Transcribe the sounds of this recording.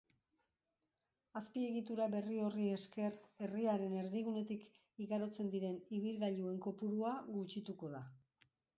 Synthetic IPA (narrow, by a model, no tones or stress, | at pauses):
aspie̞ɣit̪uɾaβe̞rio̞rie̞ske̞re̞riaɾe̞ne̞ɾðiɣune̞t̪ik | iɣaɾo̞t͡se̞nd̪iɾe̞niβ̞ilɣaʎue̞ŋko̞puɾuaɣut͡ʃit̪uko̞ð̞a